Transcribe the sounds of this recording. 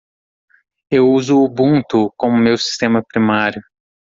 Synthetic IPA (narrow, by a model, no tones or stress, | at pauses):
ewuzʊːbũt̪ʊkõʊmewsi̥st̪ẽmɐpɾimaɾjʊ